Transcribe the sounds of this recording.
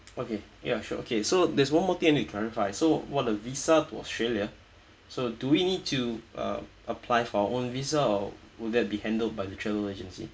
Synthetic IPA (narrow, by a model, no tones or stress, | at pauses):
okejaʃɔ̰ʔo̰kʰesodɛswãnmɔt̪ĩɛ̃nitukʰlɛɹifaɪsowɔt̚dəvisatuɔ̰stɹeljə | soduwinid̚tʰuʔʌ̰ | əpʰlaɪfɔaəʔõnvisaɔ | wɪdɛt̚bihɛ̃ndəld̚baɪdətʰɹɛvəəled͡ʒə̃nsḭ